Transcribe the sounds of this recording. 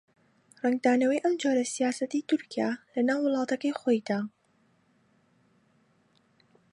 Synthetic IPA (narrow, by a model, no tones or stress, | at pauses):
rɛŋɡ̚d̪aːnɐwɐjʔɐmd͡ʒoːɾɐsijaːsɐt̪iːt̪ʊɾkija̰lɐnaːwːʊlˠɑːt̪ɐkɐjxoːjd̪̥aː